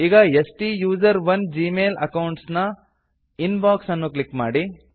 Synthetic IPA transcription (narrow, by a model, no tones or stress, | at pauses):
iːɡɐesʈijuːd͡ʒɐɾʋɐnd͡ʒiːmeːlɐ̰kɐwɳʈsnɐ | inbaːksɐnːuklikmaːɽi